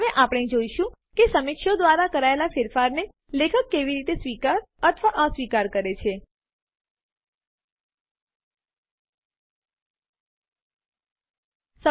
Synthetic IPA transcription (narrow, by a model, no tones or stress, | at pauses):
ʋeʔapɳ̃ed͡ʒoiʃũkesəmɪkʃod̪ʋaɾakəɾaelafɪɾfaɾne | lekʰəkːeʋiɾit̪esʋikaɾət̪ʰʋaʔə̃sʋikaɾkəɾet͡ʃʰe | sə